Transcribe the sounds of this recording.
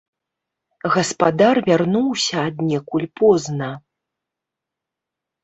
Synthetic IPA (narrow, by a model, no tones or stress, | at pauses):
ɣɐspad̪arvʲarnuwsʲɐːd̪nʲɛkulʲpɔznɐ